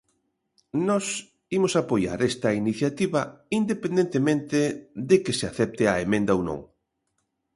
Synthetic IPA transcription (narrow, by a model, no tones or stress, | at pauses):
nɔs | imʊsapoja̰ɾɛst̪ɐiniθjat̪iβɐind̪epend̪ent̪emẽnt̪ɪðekeseaθɛp̚t̪ɪɐemẽnd̪ɐownõ̰ŋ